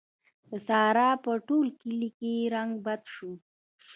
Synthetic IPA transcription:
d̪əsɑːɾɑpəʈolkɪlikeɾaŋɡbad̪ʃu

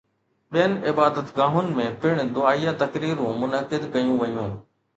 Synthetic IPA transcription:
ɓijənɪbaːd̪ət̪ɡãːɦʊnɪ̆mẽːpɪɽ̃d̪ʊaːijat̪ɐkɾiːɾũmʊnəkɪd̪kɐjũʋɐjũː

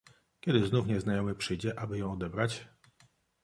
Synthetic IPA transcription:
kʲɛd̪ɘznufɲɛznajɔmɘpʂɘjd͡ʑɛʔabɘjɔ̃w̃ɔd̪ɛbɾat͡ɕ

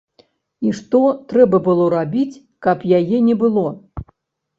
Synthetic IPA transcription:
iʂt̪ɔt̪ɾɛbɐbɨlˠɔɾabʲit͡sʲ | kɐpjajɛnʲɛbɨlˠɔ

